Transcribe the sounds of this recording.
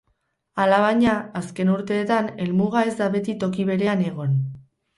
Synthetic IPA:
alaβ̞aɲaaske̞nuɾt̪e̞ːt̪ane̞lmuɣ̞ae̞zd̪aβe̞t̪it̪o̞kiβe̞ɾe̞ane̞ɣ̞o̞n

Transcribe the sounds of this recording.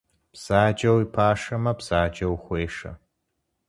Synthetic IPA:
b̥z̥aːd͡ʒɐwipʰaːʂɐmɐbz̥aːd͡ʒɐwxʷeːʂɐ̰

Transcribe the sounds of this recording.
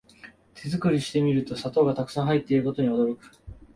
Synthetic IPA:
t̪ʰe̞zɨkɯ̟ɾʲiɕi̥t̪e̞mʲiɾɯ̟t̪o̞sat̪o̞ːɡat̪akɯ̥sãɰ̃ɦait̪ːe̞iɾɯ̟ko̞t̪o̞ɲ̟io̞d̪o̞ɾo̞kɯ̟̥

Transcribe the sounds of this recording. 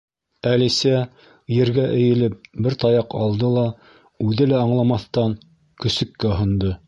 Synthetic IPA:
ælisæ | jɘ̆ɾɡæʔɘ̆jɘ̆lɘp̚bɘɾt̪ɑjɑqɑlˠd̪ɤlˠɑ | ʉðɘlæɑɴlˠɑmɑθt̪ɑŋ | kɵ̆sɵ̆kːæɦɤ̆nd̪ɤ

